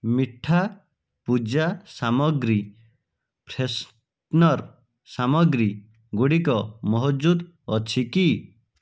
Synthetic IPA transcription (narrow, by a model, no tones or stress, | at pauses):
miʈʰa | pud͡ʒasamɔɡɾi | pʰɾes | nɔɾ | samɔɡɾi | ɡuɽikɔmɔɦɔd͡ʒud̪ | ɔt͡ʃʰiki